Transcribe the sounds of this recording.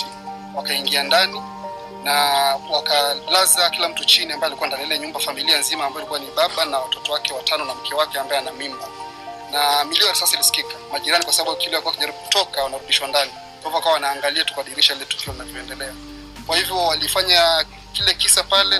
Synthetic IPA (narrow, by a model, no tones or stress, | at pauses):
i | wakaiŋɡiandani | nawakalazakilam̩tut͡ʃiniambaɛalikuandaniilɛɲumbafamilianzimaːmbaɔalikuwaniɓaɓanawatɔtɔwakɛwatanɔnam̩kʰɛwakɛambaɛanamimba | namiliɔɾisasailisi̥kikḁmaʄiɾanikwasaɓaɓukilɛwalikuakiʄaɾiɓuku̥tɔkawanaɾuɗiʃwandani | kavɔakawawanaːŋɡaliatukuaɗiɾiʃailɛtu̥kiɔinavjɔɛndɛlɛa | kwahivjɔwalifaɲa | kilɛkisapalɛ